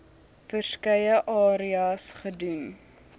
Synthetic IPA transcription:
fərskɐjəʔɑːɾiɑsχədun

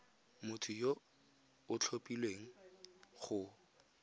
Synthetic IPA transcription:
mʊtʰʊjo | ʊt͡ɬʰopʼilweŋ̩χʊ

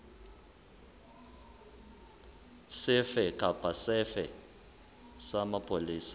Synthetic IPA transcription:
sɪfɛkʼapʼasɛfɛ | samapʰʼoliːsḁ

